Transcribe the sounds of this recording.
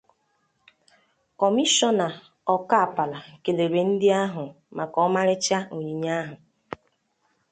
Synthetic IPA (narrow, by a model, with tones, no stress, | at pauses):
kɔ˨mi˦ʃɔ˦na˨ | ɔ˨ka˦a˨pa˨la˨ke˨le˨ɾe˨n̩˦dɪ˦a˦ɦʊ˨ | ma˨kɔ˦ɔ˦ma˦ɾɪ˦t͡ʃa˦o˨ɲi˨ɲa˦ɦʊ˨